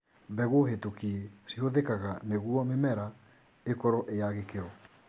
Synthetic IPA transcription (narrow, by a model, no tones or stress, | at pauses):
bɛɣoɦetukiesihoðekaɣaneɣuɔmemɛɾa | ekɔɾɔʔejaɣekeɾɔ